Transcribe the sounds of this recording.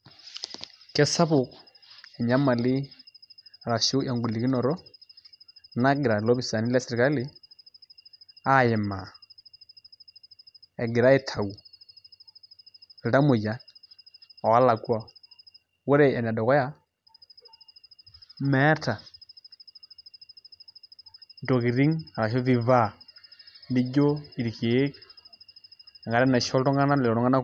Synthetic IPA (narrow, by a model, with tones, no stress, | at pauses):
kɛ˨sa˦bʊ˨k | ɛ˨ɲa˦ma˨lɪ˦ | ɾa˨ʃu˦ʔa˨ŋɡu˨li˨ki˦nɔ˨ɾɔ˦ | na˦ɡɪ˨ɾa˨lɔ˦bi˨sa˨ni˦la˦sɛ˨ɾi˨ka˦lɪ˦ | a˦jɛ˨ma˨ | ɛ˨ɡɪ˨ɾa˦ɛ˦tʰa˨u˨ | lɪ˨ɾa˦mʊ˨d͡ʒa˨˦ | ɔ˨a˦la˨kwa˦ | we˦ɾe˦ɛ˨na˨dɔ˨ɣɔ˦ja˦˨ | mɛ˦ta˨ | ndɔ˨ɣi˨ɾi˦ŋa˨ɾa˨ʃɔ˦vi˦va˦˨ | ndi˦d͡ʒo˦i˨ɾi˨ke˨˦k | a˨ŋɡa˨ɾɛ˦na˨ʃɔ˦ɾɔ˦ŋɡa˦na˦lɛ˨ɾɔ˨ɾɔ˦ŋɡa˦na˦